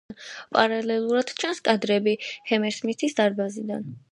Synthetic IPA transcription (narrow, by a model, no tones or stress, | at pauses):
npʼaɾalɛlˠuɾad̪̥t͡ʃʰanskʼad̪ɾɛbihɛmɛɾsmit̪ʰisd̪aɾbazid̪an